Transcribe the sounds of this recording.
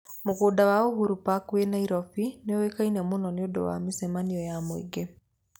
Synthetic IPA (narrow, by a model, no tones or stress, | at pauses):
moɣodawaoɣuɾupakuenaiɾɔfineɔwekainɛmonɔneodo̰wa̰mesɛmaniɔjamoḭɡe